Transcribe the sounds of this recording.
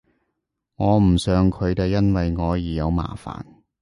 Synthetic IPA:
ŋɔː˨˧m̩˨˩sœː˨ŋkʰɵ˨˧ɥt̪e˨˧jɐ˥nwɐ˨jŋɔː˨˧jiː˨˩jɐ˨˧wma̰ː˨˩fa̰ː˨˩n

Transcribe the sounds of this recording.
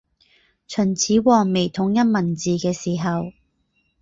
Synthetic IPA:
t͡ʃʰɵ˨˩nt͡sʰiː˨˥wɔː˨ŋme˨˩jt̪ʰʊ˨˥ŋjɐ˥t̚mɐ˨˩nt͡siː˨kɛː˧siː˨˩ɦɐ˨w

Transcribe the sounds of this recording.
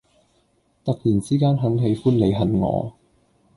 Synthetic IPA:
t̪ɐ˨k̚jiː˨˩nt͡siː˥kaː˥nɦɐ˨˥ŋɦe˨˧jfuː˥nle˨˧jɦɐ˨˩nŋɔ̰ː˨˧

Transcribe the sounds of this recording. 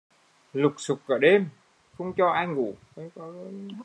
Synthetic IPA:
lʊ˨˩k͡p̚sʊ˨˩k͡p̚ʔə̰ː˧˩ɗe˧m | xə˧wŋ͡mt͡ɕɔ˧ʔaː˧jŋŋṵ˧˩mə˨˦jkɔ˨˦˧

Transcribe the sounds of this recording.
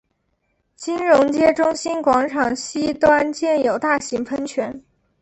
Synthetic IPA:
t͡ɕi˥nɻʊ˧˥ŋt͡ɕjɛ˥ʈ͡ʂʊ˥ŋɕi˥nkwɑ˧˥ŋʈ͡ʂʰɑ˨˩ŋɕi˥t̪wa˥nt͡ɕjɛ˥˩njo˨˩ʊt̪a˥˩ɕi˧˥ŋpʰə˥nt͡ɕʰɥɛ˧˥n

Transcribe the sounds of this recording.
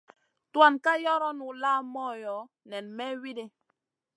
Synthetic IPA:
twa˦˨nka˦jɔ˦ɾɔ˦nu˨laː˦mɔ˦jɔ˨˦ | nɛ˨nmɛ˦wi˦de˦

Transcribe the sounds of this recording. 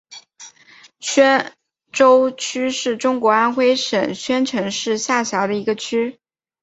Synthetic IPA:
ɕɥɛ˥n | ʈ͡ʂo˥ʊt͡ɕʰy˥ʂɻ̩˥˩ʈ͡ʂʊ˥ŋkwɔ˧˥a˥nxwe˥ɪʂə˨˩nɕɥɛ˥nʈ͡ʂʰɤ˧˥ŋʂɻ̩˥˧ɕja˥˩ɕjɑ˧˥ʊd̪ə˧i˧˥ɡə˧t͡ɕʰy˥

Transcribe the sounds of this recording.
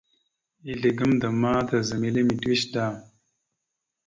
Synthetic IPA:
i˨ɮe˨ɡə˦md̪ə˨maː˦d̪ɐ˨zə˨me˨le˦mi˨twi˦ʃdaː˨m

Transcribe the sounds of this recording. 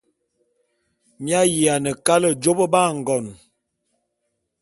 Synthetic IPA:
mja˦ji˨a˨nə˨ka˦lə˨d͡ʒo˦bə˦ba˦˨ŋ̩˨ɡɔ˨n

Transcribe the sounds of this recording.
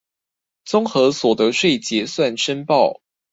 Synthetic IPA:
t͡sʊ˥ŋxɤ˧˥swɔ˨˩d̪ə˧˦ʂwe˥˩ɪt͡ɕjɛ˧˥˦swa˥˨nʂə˥npɑ˥˨ʊ

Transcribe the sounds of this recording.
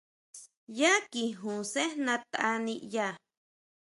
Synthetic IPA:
ja˦ki˨ɦũ˨se˦nã˧t̪a˧nĩ˧ʔja˦˨

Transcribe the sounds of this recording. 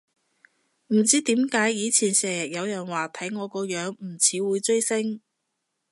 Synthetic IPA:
m̩˨˩t͡siː˥t̪iː˨˥mkaː˨˥jːiː˨˧t͡sʰiː˨˩nsɛː˨˩jɐ˨˩k̚jɐ˨˧wjɐ˨˩nwaː˨˩t̪ʰɐ˨˥jŋɔː˨˧kɔː˨˧jœː˨˧˥ŋm̩˨˩t͡sʰiː˨˥wuː˨˧jt͡ʃɵ˥jsɪ˥ŋ

